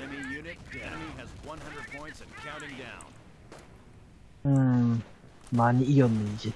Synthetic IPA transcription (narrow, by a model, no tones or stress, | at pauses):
ɛnijʉnɨt̚d̥æmiɨzwʌ̃nɦʌ̃ndɹəd̚pʰɔ̃ɪ̃ntsɨ̃nkʰãʊ̃ɾ̃tɪ̃ŋdãʊ̃n | maniiomid͡ʒi